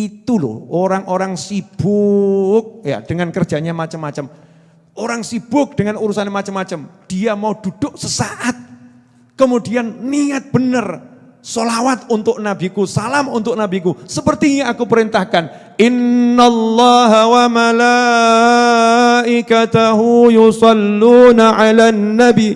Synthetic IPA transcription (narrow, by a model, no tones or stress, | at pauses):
it̪ulʊ̰hoɾaŋʔoɾaŋsib̥ʊk̚ja̰d̥əŋankərd̥d͡ʒ̥a̤ɲamat͡ʃəmːat͡ʃəm | ʔoɾaŋsib̥ʊk̚d̥əŋanuɾusanemat͡ʃəmːat͡ʃəmd̥iamaud̥ud̥ʊʔsəsaʔat̪̚ | kəmudianːiŋat̪̚b̥ənər | solawat̪̚unt̪ʊk̚nabikusalamunt̪ʊk̚nabikusəpərt̪ijaakupəɾint̪ahkan | ʔɪnːalːɑːɦawamala | ʔɪkat̪aɦujusɑlːuːnaʕalanːabi